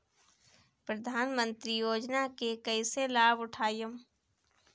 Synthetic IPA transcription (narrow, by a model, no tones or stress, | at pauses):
pɾɐd̪ʱaːnmə̃nt̪ɾijoːd͡ʒnakekəɪselaːbʊʈʰaːjəm